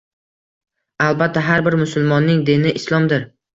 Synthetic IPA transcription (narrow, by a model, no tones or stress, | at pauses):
alˠbat̪ʰːaɦaɾbɪɾmʊsʊlˠmɒnːɪŋd̪inɪʔɪslˠɒmd̪ɪɾ